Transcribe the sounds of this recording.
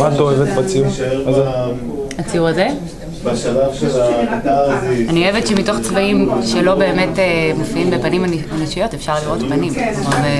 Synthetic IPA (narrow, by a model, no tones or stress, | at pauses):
mat̪oevet̪bat͡siumaze | at͡sijuʁaze | balavʃeaazanioevetʃemito̞χt͡svaimʃelo̞be̞ːme̞temofiimbepanimaniʃijo̞tefʃaʁliʁo̞tpanimmave